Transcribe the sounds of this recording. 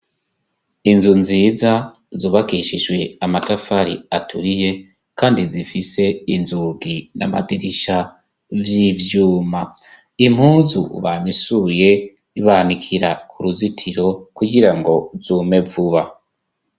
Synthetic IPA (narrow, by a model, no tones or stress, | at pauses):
inzunziːza | zuːβakiʃiʒwe̞amatafaɾiatʰuɾije̞ | kaːndizifise̞inzuɡina̰ma̰diɾiʃa | vjivjuːma | im̥huːzṵβamisuje̞ | iβanikʰiɾakʰuɾuzitʰiɾo̞kuɡiɾaŋɡo̞zuːme̞vuβa